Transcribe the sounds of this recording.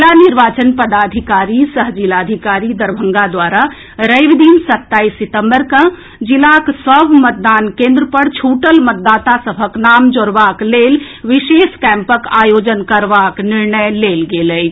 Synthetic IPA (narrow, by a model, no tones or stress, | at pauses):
laniɾʋaːt͡ʃənpəd̪aːd̪ʱikaːɾisəɦd͡ʒilaːd̪ʱikaːɾid̪əɾbʱə̃ŋɡad̪ʋaːɾa | ɾəʋd̪iːnsət̪ːaːisːɪt̪ə̃mbəɾkə̃ | d͡ʒɪlaksəbmət̪̚d̪aːnkẽːnd̪ɾəpəɽt͡ʃʰuːʈəlmət̪̚d̪aːt̪asəbʱəknaːmd͡ʒoɾʋaːkleːl | ʋɪʃeːʃkɛ̃ːmpəkaːjoːd͡ʒənkəɾʋaknɪɾɳəjleːlɡeːlə